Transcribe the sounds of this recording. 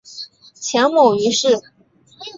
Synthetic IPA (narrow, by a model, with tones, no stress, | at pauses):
t͡ɕʰjɑ˧˥ŋmo˨˩y˧˥ʂɻ̩˥˩